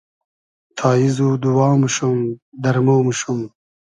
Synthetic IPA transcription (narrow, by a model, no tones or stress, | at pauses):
t̪ʰaːizud̪uwaːmuʃumd̪ɐɾmoːmuʃum